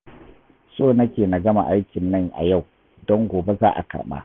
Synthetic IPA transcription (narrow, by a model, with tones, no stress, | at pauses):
soː˦nɐ˦kʲeː˨na˨ɡɐ˦ma˨ʔa˦jkʲɪ˨nːɐ˦˨ŋʔa̰˨ja˦˨w | dɔ˦ŋɡʷoː˨be˦zaː˦ʔa̰˨kɐ̰˨rɓa̰ː˦